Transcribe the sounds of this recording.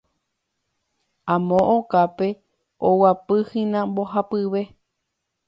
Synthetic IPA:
ãmõʔokape | owapɨhĩnãmboɦapɨβe̞

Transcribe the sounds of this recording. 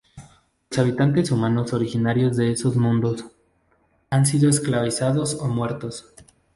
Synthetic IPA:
losaβ̞it̪ant̪e̞sumãno̞so̞ɾixinaɾjo̞zðe̞eso̞zmũnd̪o̞s | ans̬iðo̞esklaβisaðo̞somwe̞ɾt̪o̞s

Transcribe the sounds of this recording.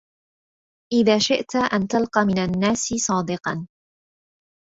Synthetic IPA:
ʔɪðaːʃɪʔt̪aʔant̪alqɑːmɪnanːaːsɪsˤɑːd̪ɪqɑn

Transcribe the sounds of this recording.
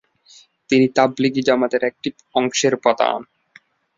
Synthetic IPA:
t̪init̪ablik̬id͡ʑamat̪eɾɛk̚ʈi | ɔŋʃeɾpɔt̪a̰n

